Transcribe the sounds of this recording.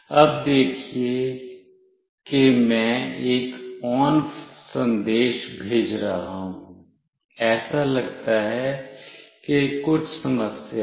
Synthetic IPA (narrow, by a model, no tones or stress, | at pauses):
ɐb̚d̪eːkʰie | kemɛ̃eːkɔːnsɐ̃nd̪eːʃbʱeːd͡ʒɾaɦaũ | ɛːsalɐɡt̪aɦɛ | kekʊt͡ʃʰsɐməsja